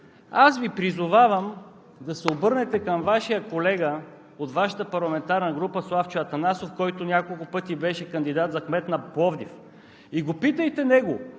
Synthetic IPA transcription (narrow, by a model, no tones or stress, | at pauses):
asvipɾizʊvavɐm | d̪ɐsɛobɤɾnɛt̪ɛkɐmvaʃijəkolɛɡə | ot̪vaʃɐ̥t̪əpɐɾlˠɐmɛnt̪aɾnɐɡɾupəslˠaft͡ʃɛɐt̪ɐnasofkɔjt̪ʊnʲakolˠkʊpɤt̪ibɛʃɛkɐnd̪id̪at̪zɐxmɛt̪nɐpɔvd̪if | iɡopit̪əjt̪ɛnɛɡo